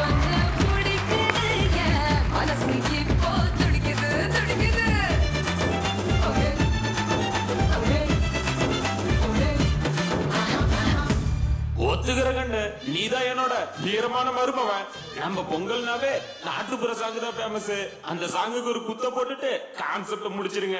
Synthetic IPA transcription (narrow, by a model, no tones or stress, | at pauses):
ɐnɐmʊɽipuɪjɐmɐnɐsikːɪpːoːt̪ʊɽɪkʲːɪðɯ | t̪ʊɽɪkːɐðɯ | ɔt̪ːɯɣɪɾɐkɐɳɖɯniːðaːjɛnoːɽɐt̪iːɾɐmaːnɐmɐːɾɯpɐːʋɛ̃ː | nɐmːɐpɔŋɡɐɭnaːʋeː | na̰ːʈːɯpɯɾɐsaːŋɡɯðãːpeːmɐsɯ | ɐnd̪ɐsaːŋɡɯkːɯɔɾɯkʊt̪ːɐ̃poːʈːɯʈːɯkaːnsɛp̚ʈɯmʊɽɪt͡ʃːɪɾɯŋɡɐ